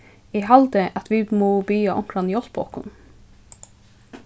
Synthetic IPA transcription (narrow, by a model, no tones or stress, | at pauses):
iːhɑld̪əʔɑt̪ʰʋiːmoːbyːɑʔɔŋkʰɾɑnjɔsbo̰ːkʊ̰n